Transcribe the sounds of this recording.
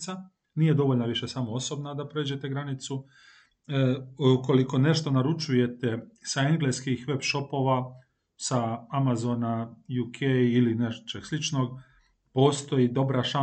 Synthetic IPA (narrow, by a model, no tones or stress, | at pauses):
sa | nije̞d̪o̞ʋoʎʲnaʋiʃe̞samo̞o̞so̞bnad̪apɾe̞ːd͡ʑe̞t̪e̞ɡɾanit̪su | uko̞liko̞ne̞ʃt̪o̞naɾut͡ʃuje̞t̪e̞saeŋɡle̞skixʋe̞bʃo̞po̞ːʋa | saamazo̞najukʰejilineʃt͡ʃeɡslit͡ʃno̞ɡ̚ | po̞ːst̪o̞jid̪o̞bɾaʃa